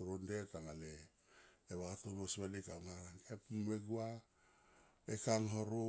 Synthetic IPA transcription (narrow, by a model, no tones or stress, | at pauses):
oɾondetaŋaleː | βatonosβenikaŋaɾaŋkepmeɡua | ekaŋɦoɾo